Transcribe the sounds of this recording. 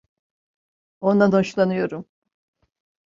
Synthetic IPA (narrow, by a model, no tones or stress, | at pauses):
o̞nd̪anhoʃlˠanɯjo̞ɾum